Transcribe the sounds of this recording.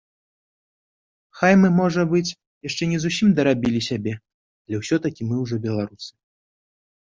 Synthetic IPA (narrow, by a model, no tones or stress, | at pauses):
xajmɨmɔʐɐbɨt͡sʲ | jaʂt͡ʂɛnʲɛzusʲimd̪ɐɾabʲilʲisʲabʲɛ | alʲɛwsʲɔt̪ɐkʲimɨwʐɔbʲɛlˠaɾusɨ̥